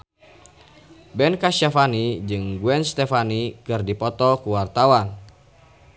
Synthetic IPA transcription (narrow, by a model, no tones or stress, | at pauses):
bɛnkaʃafanid͡ʒɨŋɡuɛnst̪ɛfanikɨrdipɔt̪ɔkuwart̪awan